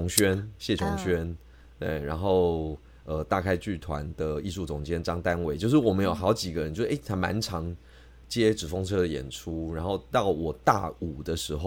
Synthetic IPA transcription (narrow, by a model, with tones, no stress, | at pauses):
ʊ˧ŋɕɥɛ˥nɕjɛ˥˩ʊ˧˥ŋɕɥɛ˥n | t̪wḛ˥˩ɪɻa˧˥nxo˥˩ʊ | ə˨˩t̪a˥˧kʰa˥ɪt͡ɕy˥˩t̪ʰwa̰˧˦nd̪ə˨i˥˧ʂu˥˩t͡sʊ˨˩ŋt͡ɕjɛ˥nʈ͡ʂɑ˥ŋt̪a˦nwe˧˩ɪt͡ɕjo˥˧ʂɻ̩˥˩wɔ˨˩mə˨˦njo˨˩ʊxɑ˧˥ʊt͡ɕi˨˩ɡə˨ɻə˦t͡ɕjo˥˧˥ʔe˥˩t̪ʰa˧˥ma̰˧˦nʈ͡ʂʰɑ˧˥ŋ | t͡ɕjɛ˥˦ʈ͡ʂɻ̩˨˩fo˥ŋʈ͡ʂʰɤ˥ə˨jɛ̰˨˩nʈ͡ʂʰu˦ɻa˨˧˥nxo˥˧ʊt̪ɑ˥˩ʊwɔ˨˩t̪a̰˥˩u˨˩d̪ə˦ʂɻ̩˧˥xo˥˧ʊ